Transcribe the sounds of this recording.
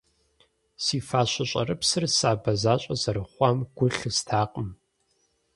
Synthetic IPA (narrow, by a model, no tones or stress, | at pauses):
siːfaːɕʷɐɕʷʼɐ̰ɾɨpsɨrsaːbɐzaːɕʼɐzɐɾɨχʷɑmɡ̥ʷʊɬɨstʰaːqʼəm